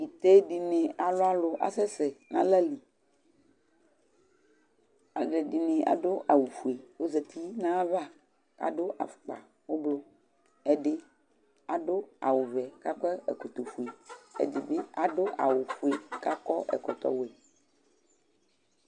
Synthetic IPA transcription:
i˨t̪e˦ɖi˨nẽ˨a˨lo˦a˦lo˨ʔa̰˨sɛ˦se˨nã̰˦lɛ˦li˨ | a˨ɡe˨ɖi˨nẽ˨a̰˨ɖo˦ʔa˨wu˨fu˨e˨wo˦ze˨t̪ʰi˦nã˦va˦ | ka̰˨ɖo˦ʔa̰˨fu̥˨k͡pa̰˨ | wo˦blo˦ | ɛ˦ɖe˦ | a˨ɖo˦a̰˨wo˨vɛ˨ka˦kɛ˦ɛ̰˨ko˨t̪o˨fu˨e˨ḛ˦de˨be˦a˨ɖo˦ʔa̰˨wo˨fu˨e˨ka˦kɔ˦ʔɛ̰˨kɔ˨t̪ɔ̰˦wo˨e˨

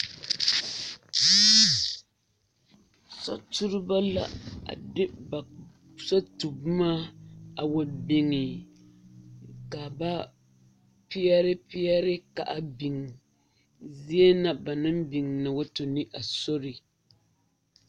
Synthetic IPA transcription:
sɔ̰˦tu˦ɾɪ˦ba˦la̰˨a̰˨dɪ˦ba˨ | sɔ˦tu˨bmaː˦a˨wo˨bɪ˨ŋɪ˨ | ka˨ba˦ | pi˦ɛ˦ɾɪ˦pi˦ɛ˦ɾɪ˦ka̰˨ʔa˨bi˨ŋ˨ | zi˦e˦na˦ba˨nɨ˦mbi˨ŋna˨wa˦to˨ni˦ʔa˨so˦ɾɪ˨

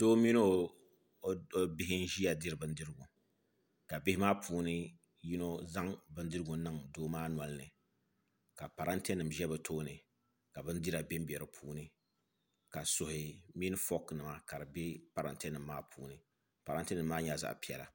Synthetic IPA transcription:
toː˦mi˦no˦ | bɪ˦hɪ˦n˦ʒi˦ja˨dɨ˦ɾɨ˨bɨ˨n˦dɨ˦ɾɨ˦ɡu˨ | ka˨bɪ˦hɪ˦maː˦pʰuː˨nɨ˦ | ji˦no˦za˦ŋbɨ˦ndɨ˦ɾɨ˦ɡʊ˨nɨ˦ŋdoː˦maː˦nwa˨lnɨ˨ | ka˨pa˨ɾa˦ntɛ˦nɨ˨mʒɛ˦bɨ˨tʰoː˦nɨ˨ | ka˨bɨ˦ndi˦ɾa˨be˦m˦bɛ˨ɾɨ˨pʰuː˦nɨ˦ | ka˨sʊ˨hɪ˨mi˦n˦fɔ˦knɨ˨ma˨ka˨ɾɨ˨be˦pa˨ɾa̰˨ntɛ˦nɨ˨mːaː˦pʰṵː˨nɨ˨ | pa˨ɾa˦ntɛ˦nɨ˨mːaː˦ɲa˨za̰˨ʔpi˦ɛ˨la̰˨

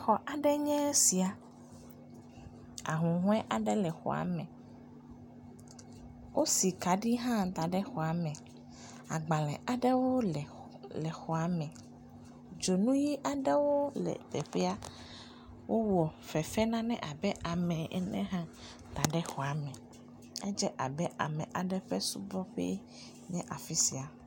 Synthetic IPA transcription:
xɔ˨ʔa˨ɖɛ˦ɲɛ̃˦si˨a˨ | a̰˨ɦũ˨ɦɔ̃˦ɛ˦ʔa˨ɖɛ˦lɛ˨xɔ̰˨a̰˨mɛ̃˨ | wʔo˦si˨ka˨ɖi˦ɦã˦t̪a˨ɖɛ˦xɔ˨a˨mɛ̃˨ | a̰˨ɡ͡ba˨lɛ˨a˨ɖɛ˦wo˦lɛ˨ | lɛ˨xɔ˨a˨mɛ̃˨ | d͡ʒo˨nũ˦ji˦ʔa˨ɖɛ˦wo˦lɛ̰˨t̪ɛ˨ɸɛ˦a˦ | wʔo˦wɔ˨fɛ˨fɛ˦nã˦nɛ̰̃˦ʔa˨bɛ˦ʔa˨mɛ̃˨ʔɛ̰˦nɛ̰̃˦ɦã˦ | t̪a˨ɖɛ˦xɔ˨a˨mɛ̃˨ | ɛ˦d͡ʒɛ˦ʔa̰˨bɛ˦ʔa̰˨mɛ̃˨ʔa˨ɖɛ˦ɸe˦su˦bɔ˦ɸɛ̰˦ | ɲɛ̃˦ʔa˨fi˦si˨a˨

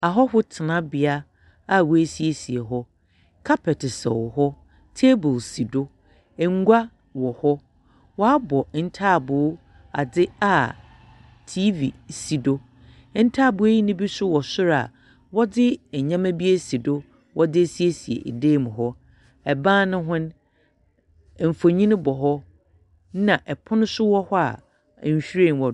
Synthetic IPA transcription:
a˨ɦɔ˦hʊ˦tʰɪ˨nã˦bɪ˨a˦ | a˦˨wɔ˨˦e˨si˨e˨si˨e˨ɦɔ˦ | kʰa˦pʰɛ˨tɪ˨sɛ̰˨wɦɔ˦ | tʰe˦bʊ˨lsi˨do˦ | ɛ˨ŋ̩˦ɡʷa˦ | wɔ˨hɔ˦ | wɔ˦a˦bɔ˨n̩˦tʰaː˦˨bʊ˨˦ | a̰˨dɪ˦a˨ | tʰi˦vḭ˨si˨do˦ | n̩˦tʰaː˦˨bʊ˨˦e˦ji˦nɪ̃˦bi˦sʊ˦wɔ˨sʊ˦ɾa̰˨ | wɔ˦dɪ˦ɛ˨ɲã˦mã˦bi˦e˦si˨do˦ | wʔɔ˦dɪ˦si˦e˦si˨ḛ˨ʔḛ˨deː˦˨mʊ̃˨ɦɔ˦ | ɛ˨bãː˦nʊ̃˦ɦʊ̃˦n˨ | m̩˨fo˨ɲĩ˦nʊ̃˦bɔ˨ɦɔ˦ | nã˨ʔɛ˨pʰʊ˦nʊ̃˦sʊ˦wɔ˦hɔ˦a̰˨ | ɕᶣi˦ɾẽ˦˨n˨wɔ˨

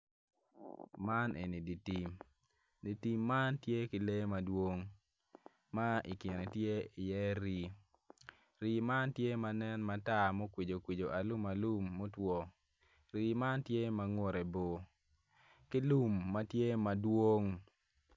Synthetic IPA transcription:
ma˦nʔḛ˨ni˨di˨ti˨m | di˨ti˦mːa˦ntje˦kɪ˨le˦ma˨dwo˦ŋ | ma˦ʔɪ̰˨kɪ˨ɾe˨tje˦ɪ˨jɛ˦ɾi˨ | ɾi˨ma˦ntje˦ma˨nɛ˦nma˨ta˦˨mo˦kwi˨d͡ʒo˨kwi˨d͡ʒo˨ʔa˨lu˦ma˨lu˦mːo˦twɔ˦ | ɾi˦ma˦ntje˦ma˨ŋo˦ɾe˨bo˨ | kɪ˦lu˦mːa˦tje˦ma˨dwo˦ŋ

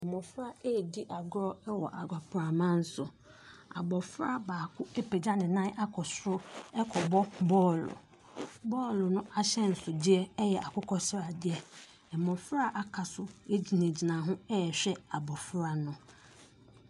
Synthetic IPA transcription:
ɛ˨mɔ̃˨fɾa˦e˦˨di˦ʔa˨ɡɾɔ˦ɛ˦wɔ̰˨ʔa˨ɡa˨pʰɾa˨mã˦n̩˦sʊ˨ | a̰˨bɔ˨fɾa˦baː˨kʰʊ˦e˦pʰe˨d͡ʑa˦nɪ̃˨nã˦ʔa˦kʰɔ˨sɾʊ˦ɛ˦kʰɔ˨bɔ˦bɔː˦˨lʊ̰˨ | bɔː˦˨lʊ˨nʊ̃˦ʔa˦ɕɛ˦n̩˨sʊ˨dɪ˦ɛ˦ɛ˦jɛ˨ʔa˨kʰʊ˦kʰɔ˦sɾa˨dɪ˦ɛ˦ | ɛ˨mɔ̃˨fɾa˦ʔa˦kʰa˨sʊ˦e˦d͡ʑi˨nẽ˨d͡ʑi˨nã˨ɦʊ̃˦ɛ˦ɛ˨ɕᶣɛ˦a˨bɔ˨fɾa˨nʊ̃˦

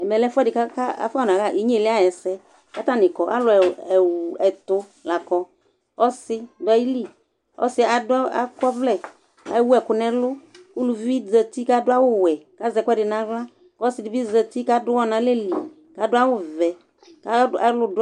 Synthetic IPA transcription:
ɛ˨mɛ˨lɛ˦fʊ˦ɛ˦dɪ˨ka˦ka˦a̰˨fnã˨ka˦˨i˨˦ɲ˦e˦˨lɪ˦a˦jɛ˨sɛ˦ | ka˦t̪a˦˨nɪ˨kɔ˨ʔa̰˦lʊ˨ɛ˨ɛ˨wɛ˨t̪ʊ˦ | la˨kɔ˨ | ɔ˦sɪ˦dʊ˨˦a˨ji˦li˦ | ɔ̰˦sɪ˦a˨dʊ˦a̰˦kɔ˦vlɛ˦ | a̰˨˦wu˦ɛ˨kʊ˨nɛ̃˨lʊ˦ku˦lu˨vi˦zə˨t̪i˦ka˦dʊ˦a˦wʊ˦wɛ˨ka˦zɛ˨kʷɛ˦dɪ˨nã˨˦vla˦ | kɔ˦sɪ˨dɪ˨bi˦zə˨t̪i˦ka˦dʊ˦wɔ˦nã˨le˦li˨ | ka˨dʊ˦a˦wʊ˦vɛ˨ | ka˦a˨˦lʊ˦dʊ˦

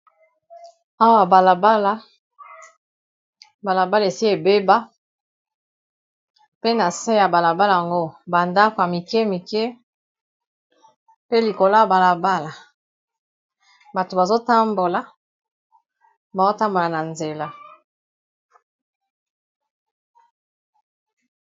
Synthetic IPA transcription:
a˦wa˨ba˨la˨ba˦la˦ | ba˨la˨ba˦la˨e˨si˦e˨be˦ba˦ | pe˦na˨se˦ja˨ba˨la˨ba˦la˦˨ja˨ŋɡo˦ba˨nda˦ko˨ja˨mi˨kɛ˦mi˨ke˦ | pe˦li˨ko˨la˦a˨ba˨la˨ba˦la˨ | ba˨to˨ba˨zo˦ta˦mbo˨la˨ | ba˨zo˦ta˦mbo˨la˨na˨nze˨la˦

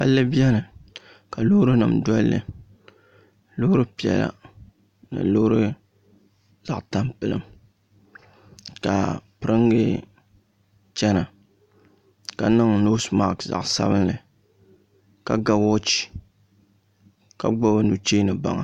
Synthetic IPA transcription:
ha̰˦lːɨ˦bi˦ɛ˦nɨ˨ | ka˨lʊ˦hɾɨ˦nɨ̰˨mdɔ˦lːɨ̰˨ | lʊ˦hʊ˦ɾɨ˦pi˨ɛ̰˨la̰˦ | nɨ̰˨lo˦ɾɨ˦ | za˨ʔta˦mpɨ˦lɨ̰˦m | ka̰˨pɨ˨ɾɨ˦ŋɡɨ˦ | t͡ʃɛ˦na˨ | ka˨nɨ˦ŋno˦sma˦˨kza̰˨ʔsa̰˦bɨ˦nlɨ˨ | ka˨ɡa˦wɔ˦t͡ʃi̥˨ | ka˨ɡ͡bɔ˦bɨ˦nu˨t͡ʃeː˦nɨ˨ba̰˨ŋa˨

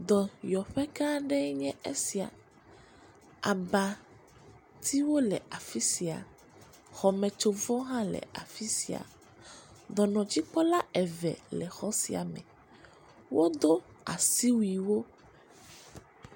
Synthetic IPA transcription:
d̪ɔ˨jɔ˨ɸɛ˦kã˦ɖɛ˦ɲɛ̃˦e˦si˨a̰˨ | a˨ba˨ | t̪ʰi˦wo˦lɛ˨a˨fi˦si˨a̰˨ | xɔ˨mɛ̃˨t͡ʃo˨vɔ˦ɦã˦lɛ̰˨a̰˨fi˦sḭ˨a̰˨ | d̪ɔ˨nɔ̃˨d͡ʑi˦k͡pɔ˦la˦ɛ˨vɛ̰˨lɛ˨xɔ˦si˨a̰˨mɛ̰̃˨ | wo˦d̪o˦a̰˨si˦wi˨wo˦

